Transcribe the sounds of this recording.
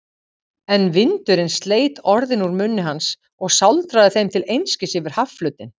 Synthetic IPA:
ɛnvɪnt̪ʏɾɪnst̪leːjt̪ɔɾðɪnuɾmʏnːɪɦans | ɔɣsawlt̪ɾaðɪθejmt̪ʰɪlejnscɪsɪvɪɾ̥hafflœːɥt̪ɪn

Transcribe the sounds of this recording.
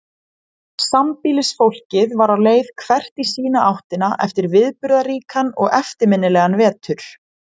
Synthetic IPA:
sampiːlɪsfowl̥cɪðvaɾawleːjð̥kʰvɛr̥t̪isiːnaʔawht̪ɪnaʔɛft̪ɪɾvɪðpʏɾðariːkʰanɔɣɛft̪ɪɾmɪnːɪlɛɣanvɛːt̪ʏɾ̥

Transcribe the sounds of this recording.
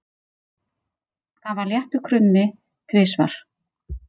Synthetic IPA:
θavaɾljɛht̪ʏkʰɾʏnmːɪ | t̪ʰvɪːsva̰ɾ̥

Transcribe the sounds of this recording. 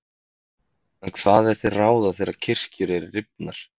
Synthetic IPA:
ɛnkʰv̥aːðɛɾ̥θeraːwðaθejɾḁcʰɪr̥cʏɾɛɾɪːɪpnaɾ̥

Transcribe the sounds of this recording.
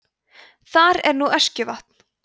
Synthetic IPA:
θaɾɛɾnuœscʏvaht̪n̥

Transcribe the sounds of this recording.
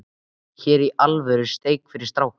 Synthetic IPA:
çɛːɾiʔalvœɾʏ̥st̪eːjkfɪɾɪ̥ɾst̪ɾawk

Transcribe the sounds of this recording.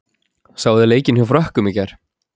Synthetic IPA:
saːwðɪleːjcɪnhjwfɾœhkʏmɪcaɾ̥

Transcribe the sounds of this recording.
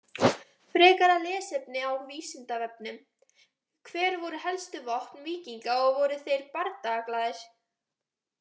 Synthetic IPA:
fɾɛːkaɾalɛːsɛp̚nɪawviːsɪnt̪avɛp̚nʏm | kʰvɛːɾvɔɾʏɦɛlst̪ʏvɔht̪nviːciŋkaɔɣvɔɾʏθejɾpaɾt̪aːklaðɪɾ̥

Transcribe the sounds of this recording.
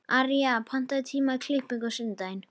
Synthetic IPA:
aɾiapʰan̥t̪at̪ʰiːmakʰlɪpɪɡɔsɪnd̪ajn

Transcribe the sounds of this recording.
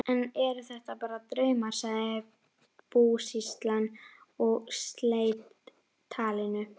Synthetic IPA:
ɛnɛɾʏθɛht̪apaːɾat̪ɾœɥmaɾ̥saɪ | puːsist̪lanɔɣst̪leːjt̪ʰː | aːlɪnʏ

